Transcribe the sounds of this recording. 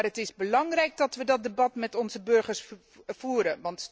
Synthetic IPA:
rətɪzbəlɑŋrɛjk̚dɔtʋədɔt̚dəbɑtmɛtɔnzəbɵɹχərs | fuːɾəʋɑnt

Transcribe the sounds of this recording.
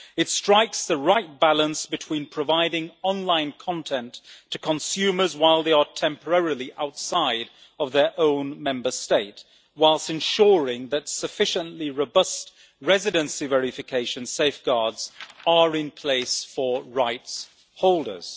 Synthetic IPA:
ɨtstɹ̥aɪksðəɹaɪt̚b̥alˠə̃nsb̥ɨtʰw̥ĩnpʰɹ̥əvaɪɾɪ̃ŋɑ̃nlãɪ̃nkʰɑ̃ntʰɛ̃ntʰɨkʰə̃nsʉmə˞zwaɪlˠðeɪətʰɛ̃mpə˞ɛɹilˠiʔaʊtsaɪɾ | ʌvðə˞ʔõʊ̃nmɛ̃mbə˞steɪt | waɪlˠstɨ̃nʃɔɹɪ̃ŋðɨtsɨfɪʃə̃nʔliɹoʊbʌst̚ | ɹɛzɨɾə̃nsivɛɹɪfɨkʰeɪʃɨ̃nseɪfɡ̥ɑɹdz̥əɹɪ̃npʰl̥eɪsfə˞ɹaɪts | hoʊlˠdə̰˞z̥

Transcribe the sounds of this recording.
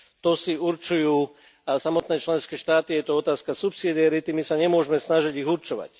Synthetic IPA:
t̪ɔsiuɾt͡ʃujuː | samɔt̪nɛːt͡ʃlɛnskɛːʃt̪aːt̪ijɛt̪ɔɔt̪aːskasupsid̪iaɾit̪imisaɲɛmʊɔʒmɛsnaʒiɟiɣuɾt͡ʃɔʋa̰c

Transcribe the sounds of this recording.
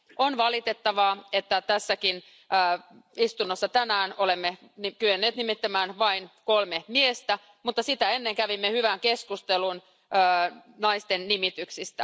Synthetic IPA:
ʔonʋɑlit̪e̞t̪ːɑʋɑːet̪ːæt̪æsːækin | əː | ist̪unːosːɑt̪ænæːno̞lemːe | nikyenːeːt̪nimit̪ːæmæːnʋɑinkolmemiest̪æ | mut̪ːɑsit̪æe̞nːeŋkæʋimːehyʋæŋkeskust̪elun | øːnɑist̪ennimit̪yksist̪æ

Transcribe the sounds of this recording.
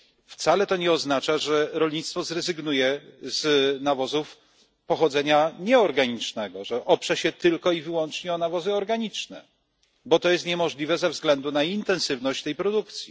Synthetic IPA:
ft̪salɛt̪ɔɲɛɔznat͡ʂaʐɛɾɔlɲit̪st̪fɔzɾɛzɘɡnujɛznavɔzuf | pɔxɔd̪zɛɲaɲɛɔɾɡaɲit͡ʂnɛɡɔʐɛʔɔpʂɛɕɛt̪ɘlkɔivɘwɔnt͡ʂɲɛɔnavɔzɘɔɾɡaɲit͡ʂnɛ̰ | bɔt̪ɔjɛst̪ɲɛmɔʐlʲivɛzɛvzɡlɛnd̪unaint̪ɛ̃ñsɘvnɔɕt͡ɕt̪ɛjpɾɔd̪ukt̪sʲji

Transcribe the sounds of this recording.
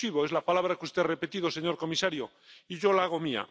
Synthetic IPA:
iβoe̞zlapalaβ̞ɾakust̪e̞re̞pe̞t̪iðo̞se̞ɲo̞ɾko̞misaɾjo | iʝo̞laaɣ̞o̞mia̰

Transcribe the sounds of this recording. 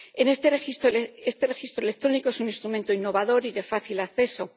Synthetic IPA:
e̞nest̪eist̪oest̪e̞re̞xist̪ɾoelek̚t̪ɾo̞nikoe̞sunĩnst̪ɾumẽnt̪oinːo̞βaðo̞ɾiðe̞faθilaθe̞so̞

